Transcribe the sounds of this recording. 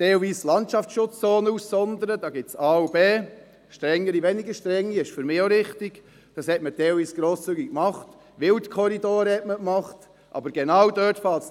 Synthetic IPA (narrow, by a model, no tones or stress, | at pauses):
tɛlviːslɑntʃɑftʃʊt͡st͡soːnussɔnd̪əɾəd̥ɑːɡɪsɑːubeː | ʃtɾɛŋːəɾiʋɛniɡəʃtɾɛŋːiɪʃfʏɾmɪːoɾɪχtɪɡ | d̥ɑshɛtmətɛːlviːsɡ̥ɾoːst͡syːɡikmɑχt | ʋɪltkʰɔɾidoːɾhɛtməkmɑχt | ʔɑ̰bəɾɡ̥ɛnɑwdœːtfɑlts